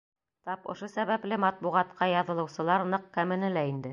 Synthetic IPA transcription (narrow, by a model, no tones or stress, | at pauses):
t̪ɑpŏ̰ʃosæβæplɘmɑt̪̚buʁɑt̪qɑjɑðɤ̆lˠɤ̆wsɤ̆lˠɑɾnɤqːæmɘ̆nɘlæind̪ɘ